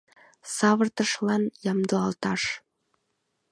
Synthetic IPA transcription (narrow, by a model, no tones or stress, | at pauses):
sɑβɤrt̪ɤ̆ʃlˠɑnjɑmd̪ɤɑlˠt̪ɑʂ